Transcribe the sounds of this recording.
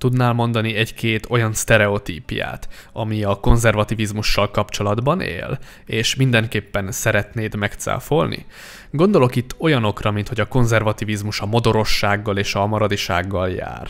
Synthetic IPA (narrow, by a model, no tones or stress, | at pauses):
t̪ud̪naːlmo̞nd̪ɒniɛɟkeːt̪ʰo̞jɒnst̪ɛɾɛo̞t̪ḭːpja̰ːt̪ɒmiɒko̞nzɛrvɒt̪ivizmuʃːɒlkɒpt͡ʃo̞lɒd̪bɒnḛːl | eːʃmind̪ɛŋkeːpːɛnsɛɾɛt̪neːd̪mɛkt̪sa̰ːfo̞lnḭ | ɡo̞nd̪o̞lo̞kit̪ːo̞jɒno̞krɒmint̪ho̞ɟɒko̞nzɛrvɒt̪ivizmuʃɒmo̞d̪o̞ɾo̞ʃːaːɡːɒleːʃɒmɒɾɒd̪iʃa̰ːɡːɒlja̰ːr